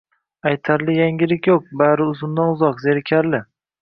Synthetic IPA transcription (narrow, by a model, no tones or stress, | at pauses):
ajt̪ʰaɾlɪjaŋɡʲɪlɪkʲjoq̚baɾɪʊzʊmd̪anʊzɒqzeɾɪkʲʰaɾlɪ